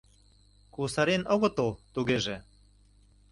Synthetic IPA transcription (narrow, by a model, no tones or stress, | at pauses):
kusɑɾenoɣŏt̪olˠt̪uɣeʒe